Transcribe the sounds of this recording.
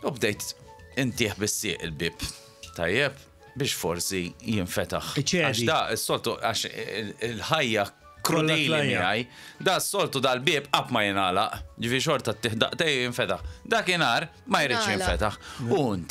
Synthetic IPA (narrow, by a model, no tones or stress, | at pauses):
ʊbd̪ɛjt̪ | ɪnt̪ɪːħbɪsːɪ̰ːʔɪlbɪːp | t̪ɐ̰jːɛp̚ | bɪːʃfɔɾsijɪɱfɛt̪ɐħt͡ʃɛɐʃd̪ɐʔɪsːɔlt̪uɐʃɪlħɐjːɐ | kɾʊd̪iːlimɪɐj | d̪ɐːsːɔlt̪ud̪ɐlbɪːpʔɐpːmɐjɪnɐːlɐʔjɪd͡ʒɪfɪːɾɪʃ̬ɔɾt̪ɐt̪ːɪːħd̪ɐ̰ʔt̪ɛjjɪɱfɛt̪ɐħd̪ɐːkɪnɐːɾ | mɐjɾiːʃjɪ̃mfɛt̪ɐħuɪnt̪